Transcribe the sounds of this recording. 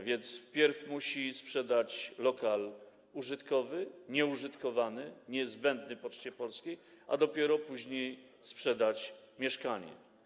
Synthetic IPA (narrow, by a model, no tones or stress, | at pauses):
vʲjɛnt̪sfpʲjɛɾfmuɕispʂɛd̪at͡ɕlɔkal | uʐɘt̪kɔvɘɲɛuʐɘt̪kɔvanɘɲɛzbɛnd̪nɘpɔt͡ʂt͡ɕɛpɔlskʲej | ʔa̰d̪ɔpʲjɛɾɔpuʑɲej | spʂɛd̪at͡ɕ | mʲjɛʂkaɲɛ̰